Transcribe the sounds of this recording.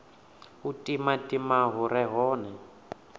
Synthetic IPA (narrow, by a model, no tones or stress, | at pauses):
utʼimatʼimaɦuɾɛɦɔːnɛ